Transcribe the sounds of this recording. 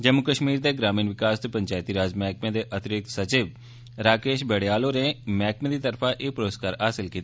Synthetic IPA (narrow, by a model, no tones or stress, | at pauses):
d͡ʒəmːʊkəʃmiːɾd̪eːɡɾaːmiːnʋɪkaːst̪opəɲt͡ʃaːɪt̪iːɾaːd͡ʒmɛːkmẽːd̪eːʔət̪ɪɾɪk̚t̪sət͡ʃiːʋ | ɾaːkeːʃbɛːɽejaːloːɾẽːmɛːkmẽːd̪iːt̪əɾpʰãːʔeːpɾoːskaːɾɦaːsɪlkiːt̪ː